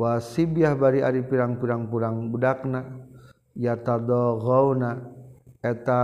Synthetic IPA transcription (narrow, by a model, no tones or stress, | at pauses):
wasibiahbaɾiaɾipiɾaŋpiɾaŋpuɾaŋbudak̚na | jat̪ad̪ɔɣɔuna | ɛt̪a